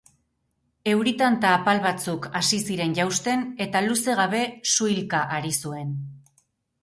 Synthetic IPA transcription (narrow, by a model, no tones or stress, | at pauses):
e̞wɾit̪ant̪aːpalβat͡sukasisiɾe̞nʝawst̪e̞ne̞t̪aluse̞ɣaβ̞e̞suilkaʔaɾisue̞n